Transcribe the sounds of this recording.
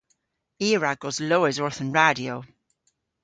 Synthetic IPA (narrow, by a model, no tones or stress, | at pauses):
iːɹaɡɔzloːɪzɔɹθə̃nɹadioʊ